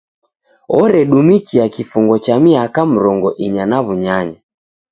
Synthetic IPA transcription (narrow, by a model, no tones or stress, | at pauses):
ɔɾɛɗumikiakifuŋɡɔt͡ʃamiakam̩ɾɔŋɡɔʔiɲanaβuɲaɲa